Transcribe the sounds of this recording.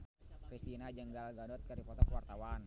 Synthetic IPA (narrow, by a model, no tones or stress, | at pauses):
kɾist̪inad͡ʒəŋɡalɡadɔt̪̚kəɾipɔt̪ɔkəwart̪awan